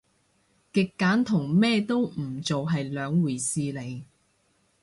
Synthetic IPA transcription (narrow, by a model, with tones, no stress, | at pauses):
kɪ˨kːaː˨˥nt̪ʰʊ˨˩ŋmɛː˥t̪o˥wm̩˨˩t͡so˨wɦɐ˨jlœː˨˧ŋwuː˨˩jsiː˧le˨˧j